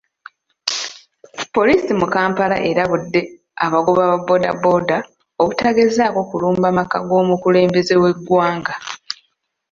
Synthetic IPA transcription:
po̞liːsimukaːmpala̰ʔeɾaβudːe̞ | aβaɡuβaβabo̞ːda̰bo̞da | oβutaːɡezaːko̞kuluːmbamaka̰ɡo̞ːmukule̞ːmbe̞ze̞we̞ɡːwaːŋɡa

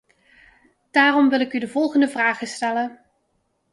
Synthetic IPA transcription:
d̥aːrɔmʋɪlˠɪkydəvɔlˠχəndəvraːχəstɛlən

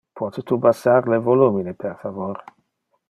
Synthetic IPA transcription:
pʰwɔt̪et̪ubasaɾlevoluminepʰerfavoɾ

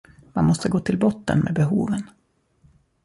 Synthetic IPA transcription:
manmɔst̪əɡoːt̪ʰɪlbɔt̪ːə̰nmʔḛːbɛɦuːvən

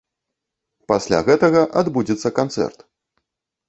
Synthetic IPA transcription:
pasʲlʲa̰ɣɛt̪ɐɣɐʔad̪bud͡zʲɛt̪sːɐkant̪sɛ̰rt̪

